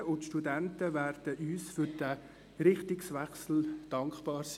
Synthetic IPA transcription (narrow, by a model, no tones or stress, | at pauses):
ʊntʃtudæntəvæːɾd̥əʔyːsfʏɾd̥ə | ɾɪχtɪksʋɛχsl̩d̥ɑŋkχb̥ɑːɾs